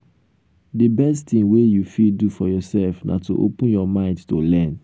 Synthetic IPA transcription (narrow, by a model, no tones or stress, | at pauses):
dibɛsttĩŋwejufidufɔjɔsɛlfnʔa̰to̰ʔo̰pə̃njɔmãɪ̃ndtolɛ̃n